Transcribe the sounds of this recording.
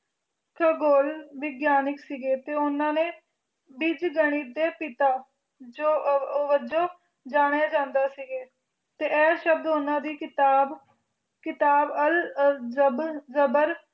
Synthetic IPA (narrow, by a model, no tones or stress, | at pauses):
kʰəɡoːlʋɪɡjaːnɪksiːɡeːt̪eːʊnãːneː | bɪd͡ʒɡəɽ̃iːd̪eːpɪt̪aː | d͡ʒoːʋəd͡ʒõː | d͡ʒaːɽ̃eaːd͡ʒãːnd̪aːsiɡeː | t̪eːʔɛːʃəbd̪ʊnãːd̪iːɪt̪aːb | kɪt̪aːbəl | bzəbəɾ